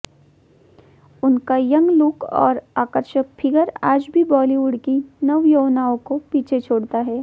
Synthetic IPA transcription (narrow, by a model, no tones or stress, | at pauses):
ʊnkajɐ̃ŋɡlʊkɔ̰ːɾaːkəɾʃək̚fʰɪɡəɾaːd͡ʒbʱibɔːliʋʊɽkinɐʋjoːʋnaːõkopiːt͡ʃʰet͡ʃʰoːɽt̪aɦɛː